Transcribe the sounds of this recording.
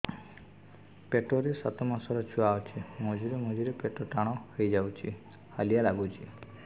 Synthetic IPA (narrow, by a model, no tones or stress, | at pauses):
peʈɔɾesat̪ɔmasɔɾɔt͡ʃʰuaɔt͡ʃʰimod͡ʒiɾemod͡ʒiɾepeʈɔʈaɽ̃ɔhejd͡ʒawt͡ʃʰi | ha̰lijalaɡut͡ʃʰi